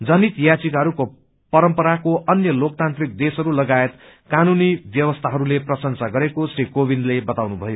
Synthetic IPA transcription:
d͡zʌnit̪jat͡sikɦʌɾuko | pʌɾʌmpʌɾakoʔʌnjʌlok̚t̪ant̪rik̚d̪esɦʌɾulʌɡaet̪ | kanunibjʌwʌst̪ʰaɦʌɾuleprʌsʌnsaɡʌɾekosrikobinlebʌt̪awnubʱʌjo

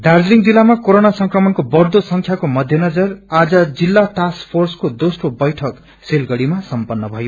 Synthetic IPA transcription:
ɖard͡zliŋd͡zilːamakoɾonasʌŋkrʌmʌnkobʌrd̪osʌŋkʰjakomʌd̪ʱjʌnʌd͡zʌrad͡zʌd͡zilːaʈaskpʰorskod̪osʈobʌjʈʰʌk | selɡʌɽimasʌmpʌnːʌbʱʌjo

